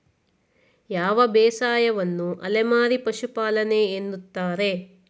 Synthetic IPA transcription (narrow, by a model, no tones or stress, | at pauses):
jaːʋɐbɛːsaːjɐʋɐnːuʔɐ̰lemaːɾipɐʃupaːlɐneːnːut̪ːaːɾe̞